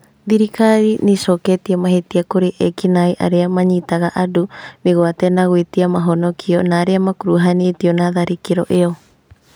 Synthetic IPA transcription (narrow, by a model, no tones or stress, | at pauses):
ðiɾikaɾinisoketiamaɦetiakoɾiʔekinajʔa̰ɾeamaɲitaɣaʔadumiɣoatenaɣuitiamaɦonokʰionaɾeamakuɾuɦanitionaðaɾikiɾo̰ʔeo